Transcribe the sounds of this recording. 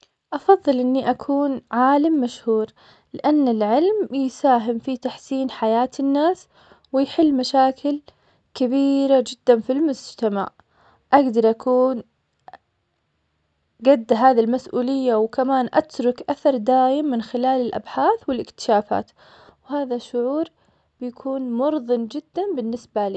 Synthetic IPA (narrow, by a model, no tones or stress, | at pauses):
ʔɑfɑðˤːɨlʔɪnːiʔakʰuːnʕaːlamːaʃhuːɾ | lɪʔanːɪlʕɪlmjsaːɦɪmfit̪aħsiːnħajaːt̪ɪnːaːs | wɪjħɪlːmaʃaːkɪl | kabiːɾad͡ʒɪd̪ːanfilmʊd͡ʒt̪ama̰ʕ | ʔaɡd̪ɑɾˤʔakʰuːn | ɡad̪ːɦaːðilmasʔuːlɪjːawkamaːnʔat̪ɾˤʊkʔaθɑɾˤd̪aːjɪmːɪnxɪlaːlɪlʔa̰bħaːθwɪlɪkt̪ɪ̥ʃaːfa̰ːt̪ | wɦaːðaʃʊʕuːɾ | b̥ɪjakʰuːnmʊɾˤðˤɨnd͡ʒɪd̪̥ːanbɪnːɪsbaliː